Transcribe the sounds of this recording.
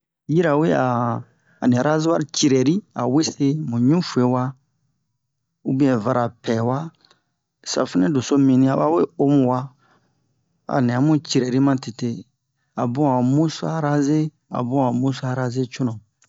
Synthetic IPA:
ji˦ɾa˨we˦a̰ː˨ | nɛ̃˨ɾa˦zwa˦ɾi˦t͡ʃi˨ɾɛ˨ɾi˦a˨we˦se˦mũ˨ɲũ˦fu˨e˨˦wa˦ | u˦bĩ˦ɛ̃˨va˧ɾa˨pʰɛ˨wa˦ | sa̰˨fɛ˦nɛ̃˦do˨so˦mĩ˨nĩ˦a˨˦ba˦we˦o˦mũ˨wa˦ | a̰˨nĩ˨a˨˦mũ˦t͡ʃi˨ɾɛ˨ɾi˦mã˦ti˨te˦ | a˨bũ˦a˨mũ˦sa˦ɾa˦ze˦ | a̰˨bũ˦a˨mũ˦sa˨ɾa˦ze˦t͡ʃo˦nɔ̃˨

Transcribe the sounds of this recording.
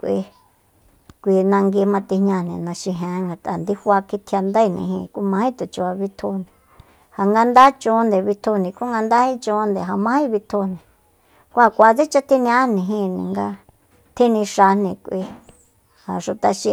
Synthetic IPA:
kʷḭ˧ | kʷi˧nã˧ŋɡi˧mã˧t̪i˧hɲã˧nĩ˨nã˧ʃĩ˧ɦẽ˨˦ŋɡa˨t̪ʼa˨nd̪i˦hʷa˧ki˧t̪ʰja˧nd̪a˦˧˨nḭ̃˨ɦḭ̃˧kʷi˦mã˧˦hĩ˦t̪u˨t͡ʃu˧a˧βi˧t̪ʰo˧nĩ˨ | ha˨ŋɡa˧nd̪a˦t͡ʃõ˧˦nd̪e˨βi˧t̪ʰo˧nĩ˨kʷu˦ŋɡa˧nd̪a˦hĩ˦t͡ʃõ˧˦nd̪e˨ɦa˨mã˧˦hĩ˦βi˧t̪ʰo˧nĩ˨ | kʷu˦ha˧˨kʷa˨t͡se˦t͡ʃa˦t̪i˧nĩ˧ã˦nĩ˨ɦĩ˧nĩ˨ŋɡa˧ | t̪ʰĩ˦nĩ˧ʃa˧nĩ˧kʷi˧ | ha˨ʃu˧t̪a˧ʃĩ˧

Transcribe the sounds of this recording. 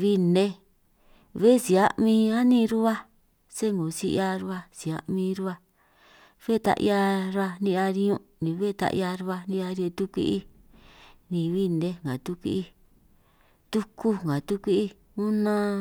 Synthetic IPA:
βi˦ne˦ | βe˦˨si˨a˦mĩ˧a˦nĩ˦˧ɾu˦βa˦ | se˦ŋɡo˨si˦˧ʔa˧ɾu˧˦a˧si˨a̰˧ʔmĩ˧ɾu˦a˧ | βe˦˨˧t̪a̰˧ʔj̰a˧ɾa˧nĩ˧ʔa˧ɾi˧ɲũ˧ʔnĩ˨˧βe˦˨˧t̪a̰˧ʔja˧ɾu˧˦a˧nĩ˧a˧ɾe˧t̪u˦kʷḭ˦ʔi˦ | nĩ˨˧βi˦ne˦ŋɡã˨t̪u˦kʷḭ˦ʔi˦˧ | t̪u˦ku˦ŋɡã˨t̪u˦kʷi˦ʔi˦ | ũ˦nã˧

